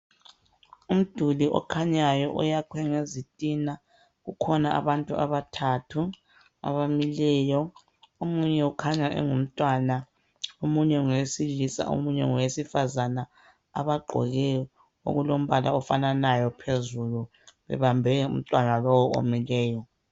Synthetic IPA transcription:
um̩d̥ʱuliʔɔ̰kʰaɲajɔ̰ʔṵjakʰwɛŋezitʼina | ɣukʰɔnaʔa̰βantʼua̰βatʰatʰu | a̰βamilɛːjɔ | omuɲɛukʰaɲaʔɛ̰ŋum̩tʼwana | omuɲɛŋwesilisa̰ʔo̰muɲɛ̰ŋɔwesifazana | a̰βaɡ͡ǃʱɔ̰ɣɛjɔ | o̰ɣulom̩βalaɔfananajɔpʰezulu | βɛ̰βambʱɛṵm̩tʼwanalɔwɔo̰milɛːjɔ

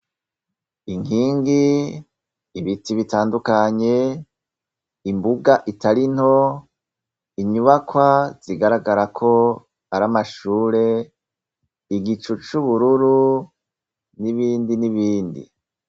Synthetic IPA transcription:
iŋiːŋɡi | βitiβitaːndukaɲe̞ | imbuɡaʔitaɾin̥ho̞ | iɲuβakwaz̥iɡaɾaɡaɾakʰo̞ | aɾamaʃuːɾe̞ | iɡit͡ʃut͡ʃuβuɾuɾu | niβiːndiniβiːndḭ

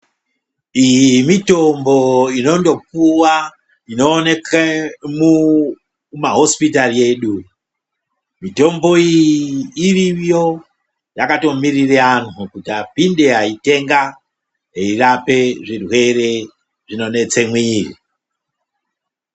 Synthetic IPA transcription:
ijiimito̞mbo̞ino̞ndo̞p̚uwa | ino̞ːne̞kemu | maɦo̞spitalie̞ːɗu | mito̞mbo̞iː | rijo̞ | jakato̞mirireanukutiapinde̞ɦaite̞ŋɡa | ɦeirape̞ʐirwe̞ɾe | ʐino̞ne̞t͡se̞mwiːrḭ

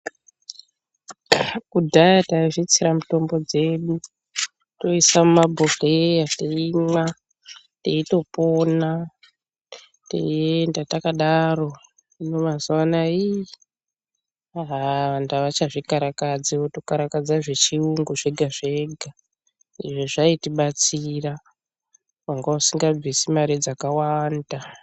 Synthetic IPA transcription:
kudʱajataiʐit͡siɾamuto̞mbo̞d͡ze̞ɗu | to̞isamumabʱoxejateima | teito̞po̞ːna | tḛiendatakaɗaro̞ | ino̞mazuwanai | aɦʋandaʋat͡ʃaʐikaɾakad͡ziotokaɾakad͡zaʐet͡ʃiuŋɡuʐe̞ɡʱaʐe̞ɡʱa | ḭʐeʐaitiɓat͡sira | waŋɡausiŋɡab͡visimaɾid͡zakawanda

